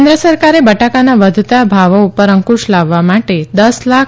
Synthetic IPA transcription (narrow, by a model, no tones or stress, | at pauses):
nd̪ɾəsəɾkaɾebəʈakanaʋəd̪ʱt̪abʱaʋoupəɾəŋkuʃlaʋːamaʈed̪əslak